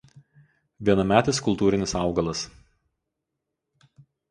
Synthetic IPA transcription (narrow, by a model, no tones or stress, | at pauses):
ʋʲiɛnɐmʲæːt̪ʲɪskʊlˠt̪uːɾʲɪnʲɪsɑˑʊɡɐlˠɐs